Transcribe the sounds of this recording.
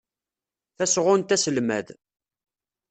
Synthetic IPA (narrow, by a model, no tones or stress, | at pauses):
θæsʁʊnt̪æsəlmæ̰ð